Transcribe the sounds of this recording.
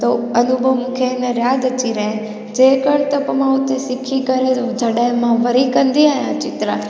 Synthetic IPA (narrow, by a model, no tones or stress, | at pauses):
t̪oɐnubʱəʋmũkʰeːnẽɾjaːd̪ət͡ʃiɾəɦẽ | d͡ʒeːkəɽt̪ɐpɐmãʊt̪esɪkʰikəɾed͡ʒʱəɽajmãʋəɾikə̃nd̪iaːɦjãt͡ʃɪt̪ɾã